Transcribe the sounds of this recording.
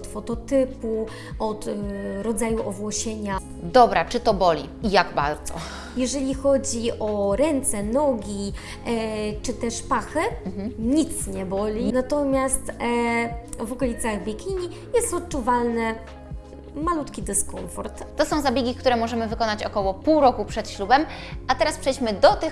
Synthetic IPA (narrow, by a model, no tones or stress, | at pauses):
t̪fɔt̪ɔt̪ɘpu | ɔt̪ɾɔd̪zajuʔɔvwɔɕeɲa | d̪ɔbɾat͡ʂɘt̪ɔbɔlʲḭ | ijaɡba̰ɾd̪z̥ɔ̰ | jɛʐɛlʲixɔd͡ʑiʔɔɾɛnt̪sɛnɔɡʲi | t͡ʂɘt̪ɛʂpaxɘɲit̪sɲɛbɔlʲinat̪ɔmʲjast̪ | vɔkɔlʲit̪saɣbʲjekʲiɲi | jɛst̪ɔt̪̚t͡ʂuvalnɘ | malut̪kʲid̪ɘskɔɱfɔɾt̪t̪ɔsɔ̃w̃zabʲjeɡʲikt̪uɾɛmɔʐɛmɘvɘkɔnat͡ɕɔkɔwɔpuwɾɔkupʂɛt̪ɕlubɛmʔat̪ɛɾaspʂɛjd͡ʑmɘd̪ɔt̪ɘx